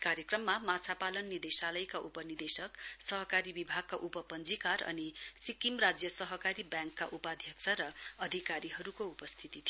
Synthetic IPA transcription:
kaɾjekrʌmːamat͡sʰapalʌnːid̪esalʌjkaʔupʌnird̪esʌksʌɦʌkaɾibibʱaɡ̚kaʔupʌpʌnd͡zikarʌ̰nisikimrad͡zjʌsʌɦʌkaɾibjãŋkːaʔupad̪ʱjʌksʰaɾʌʌd̪ʱikaɾiɦʌɾukoupʌst̪ʰit̪it̪ʰi

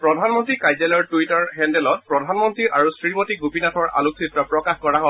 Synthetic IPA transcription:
pɹɔdʱanmɔntɹikajzɛlɔɹtuitɔɹɦɛndɛlɔt̚pɹɔdʱanmɔntɹiɹʔaɹusɹimɔtiɡopinatʰɔɹʔa̰luksitɹɔpɹɔkaxkɔɹaɦɔ

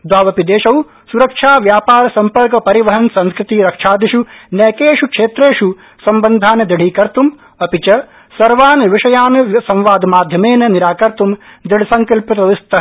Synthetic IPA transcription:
d̪waːʋɐpid̪eːʂɐw | suɾɐkʂʰaːʋjaːpaːɾɐsɐmpɐɾkɐpɐɾiʋɐɦɐnsɐ̃nskɾɪt̪iɾɐkʂʰaːd̪iʃunɐːkeːʂukʂeːt̪ɾeːʃu | sɐmbɐnd̪ʱaːnd̪iɽ̤ʱiːkɐɾt̪um | ɐpit͡ʃɐ | sɐɾʋaːnʋiʂɐjaːnsɐ̃mʋaːd̪ʱɐmaːd̪ʱjɐmeːnɐniɾaːkɐɾt̪umd̪iɽisɐŋkɐlpit̪ɐʋist̪ɐ

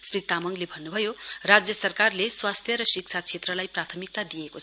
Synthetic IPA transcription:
srit̪amʌŋlebʱʌnːubʱʌjorad͡zjʌsʌrkarleswast̪ʰjʌɾʌsik̚t͡sʰat͡sʰet̪rʌlajprat̪ʰʌmik̚t̪ad̪ijekoʌ

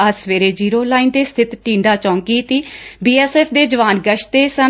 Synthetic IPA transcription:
əsʋeːɾeːd͡ʒiːɾoːlaːiːnd̪eːst̪ʰɪt̪ʈĩːɳɖaːt͡ʃɔ̃ːŋkiːt̪iːbiːɛːsɛːpʰd̪eːd͡ʒəʋaːnɡəʃt̪eːsə

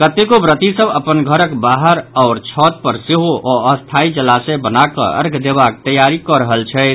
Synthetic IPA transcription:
kət̪ekobɾət̪isəbəpənɡʱəɾəkbaɦəɾɔʊɾt͡ʃʰɔt̪̚pəɾseɦoʔɔəst̪ʰaid͡ʒəlasɛbənakə̰ə̰ɾɡʱd̪ebak̚t̪əjaɾikɔɾəɦəlt͡ʃʰɛ

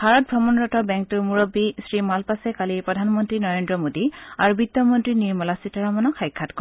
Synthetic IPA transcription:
b̥ʱaɹɔt̚bʱɹɔmɔnɹɔtɔbɛŋk̚tuɹmuɹɔbːisɹimalpasɛkalipɹɔdʱanmɔntɹinɔɹendɹɔmodiaɹubitːɔmɔntɹiniɹmɔlasitaɹamɔnɔkʰajkʰːatkɔɹ

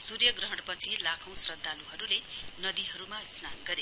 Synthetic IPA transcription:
surjʌɡrʌɦʌɽpʌt͡sʰilakʰʌ̃w̃srʌd̪ːaluɦʌɾulenʌd̪iɦʌɾumasnanɡʌɾe

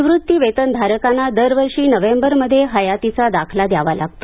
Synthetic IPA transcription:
ʋɾut̪ːiʋet̪ənd̪ʱaɾəkanːad̪əɾʋəɾʂiːnəʋembəɾməd̪ʱːjeɦəjat̪it͡sad̪akʰlad̪jaʋala̰ɡ̚t̪o

